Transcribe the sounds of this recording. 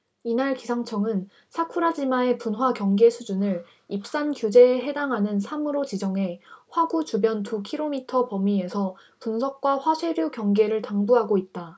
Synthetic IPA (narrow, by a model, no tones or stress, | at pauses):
inaɭkisʰaŋt͡ɕʰʌŋɯn | sʰakʰuɾad͡ʑimae̞punwakjʌŋɡe̞sʰud͡ʑunɯɭ | ip̚s͈ankjud͡ʑe̞ːɦe̞daŋɦanɯnsʰamɯɾot͡ɕid͡ʑʌŋɦe̞ɸwaɡut͡ɕubjʌntʰukʰiɾomitʰʌpʌmiesʰʌ | punsʰʌk̚k͈waɸwasʰwe̞ɾjukjʌŋɡe̞ɾɯɭtaŋbuɦaɡoit̚t͈a